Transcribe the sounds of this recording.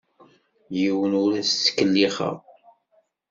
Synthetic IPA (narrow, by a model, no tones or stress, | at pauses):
jiwənʊɾæstːə̥kːəlːiχə̰ʁ